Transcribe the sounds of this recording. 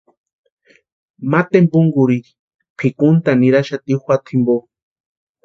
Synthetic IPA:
mat̪embuŋɡuɾiɾi̥ | pʰikunt̪aniɾaʃat̪ixʷat̪ʰimbo

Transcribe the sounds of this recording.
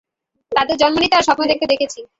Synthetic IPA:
t̪ad̪eɾd͡ʑɔnmonit̪eaɾʃɔpnod̪ekt̪ed̪ekʰet͡ɕʰi

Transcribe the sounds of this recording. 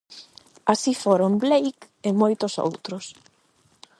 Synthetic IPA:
asifoɾomblejk | emojt̪ʊso̰wt̪ɾʊs

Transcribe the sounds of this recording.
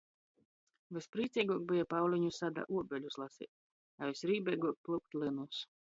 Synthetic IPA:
vɨspɾiːt̪sʲiːɡuɔk̚bijapawlʲiɲusad̪a̰ʔuɔbʲɛlʲuslˠasḭːt̪̚ʲ | avisɾiːbʲɛjɡuɔk̚plˠuk̚t̪ʲlʲˠɨnus

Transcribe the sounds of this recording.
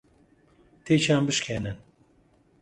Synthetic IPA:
t̪ʰet͡ʃʰaːmbɨʃkʰɛnɨn

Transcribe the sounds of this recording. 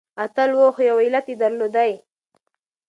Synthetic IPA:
at̪alwoxjawɪlat̪ed̪aɾlod̪aj

